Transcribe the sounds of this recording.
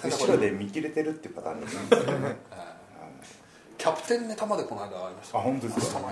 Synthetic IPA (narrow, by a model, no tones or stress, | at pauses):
ɯɕod̪e̞mʲikʲiɾe̞t̪e̞ɾɯ̟t̪ːeiɯ̟pat̪ã̰nːee | a | kʲʰapɯ̟̥t̪ẽ̞nːet̪amad̪ekʰonaɡaːɾimaɕt̪ahõ̞nt̪oess